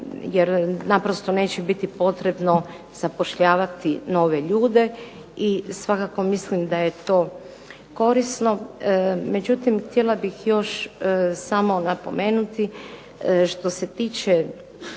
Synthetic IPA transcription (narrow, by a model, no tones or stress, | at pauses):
jeɾnapɾost̪o̞ne̞ːt͡ɕebit̪ipo̞t̪ɾe̞bno̞ | z̥apo̞ʃʎaːʋat̪ino̞ːʋeʎuːd̪e̞ | isʋakako̞mislimd̪aje̞t̪o̞ː | ko̞ɾisno̞ | me̞d͡ʑut̪imxt̪jelabixjo̞ʃsamo̞napo̞̰me̞ːnut̪i | ʃt̪o̞se̞t̪iːt͡ʃe